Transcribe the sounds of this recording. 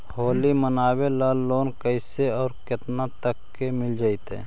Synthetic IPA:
hoːlimənaːwelaːlːoːnkəɪseɔːɾkɪt̪nat̪əkːemɪld͡ʒaːɪt̪ɦɛ̰̃ː

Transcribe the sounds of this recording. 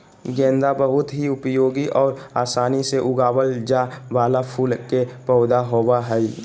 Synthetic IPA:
ɡɛ̃ːnd̪abəɦʊt̪ɦiʊpjoːɡiʔɔːɾaːsaːniseʔʊɡaːwəld͡ʒaʋaːlapʰuːlkepɔːʊd̪aɦowaɦɛi

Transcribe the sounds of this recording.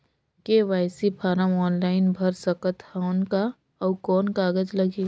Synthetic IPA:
keʋaːɪsipʰaːɾəmɔːnlaːɪnbʱɐɾsɐkət̪hanka | ɔkɔːnkaːɡəd͡ʒlɐɡeː

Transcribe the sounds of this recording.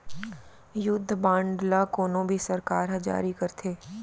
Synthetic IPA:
jʊd̪ʱːbãːɳɖlakoːnõbʱisɐɾkaːɾɦɐ̃d͡ʒa̰ːɾikɐɾt̪ʰeː

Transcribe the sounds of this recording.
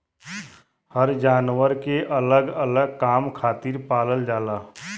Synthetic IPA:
həɾd͡ʒaːnwəɾkeʔələɡələɡkaːmkʰaːt̪iːɾpaːləld͡ʒaːlaː

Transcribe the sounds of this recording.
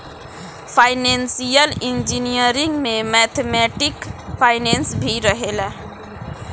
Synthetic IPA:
pʰaɪnensijəlind͡ʒinijəɾiŋɡmẽmɛt̪ʰemɛʈɪkpʰaɪnensbʱiɾəɦela

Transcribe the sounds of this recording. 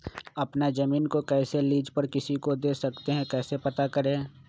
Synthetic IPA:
ɐpnad͡ʒɐmiːnkokɛːseliːd͡ʒpəɾkɪsikod̪eːsɐkt̪eɦɛ̃kɛːsepɐt̪akɐɾẽː

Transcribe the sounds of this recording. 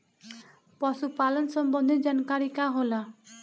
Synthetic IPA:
pɔsupalɔnsɔmbɔnd̪ʱed͡ʒankaɾikaɦola

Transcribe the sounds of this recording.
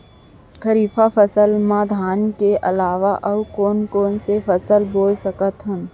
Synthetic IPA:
kʰəɾiːfafəsəlmãːd̪ʱaːnkeʔɐ̰laːʋaʔɐwkoːnkoːnsefʰəsəlboːlsəkət̪ɦə̃m

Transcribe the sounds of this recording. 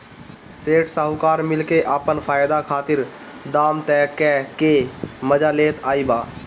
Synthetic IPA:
seːʈsəɦʊkaːɾmɪlkeʔaːpənfʰaːjd̪akʰaːt̪ɪɾ | d̪aːmt̪ɛːkɛkeməd͡ʒaleːt̪aːibaː

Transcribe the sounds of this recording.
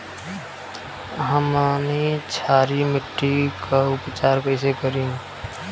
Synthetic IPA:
ɦəmanit͡ʃʰaːɾimɪʈɾikaʊpt͡ʃaːɾkəɪsekəɾĩ

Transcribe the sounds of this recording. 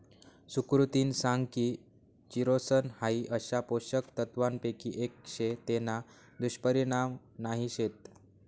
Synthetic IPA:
sukɾut̪iːnsaŋɡkiː | t͡ɕiɾosənhaiʔəɕapoɕəkt̪ət̪ʋanpekiʔekɕet̪ena | d̪uɕpəɾiɽ̃am | naɦiɕet̪̚

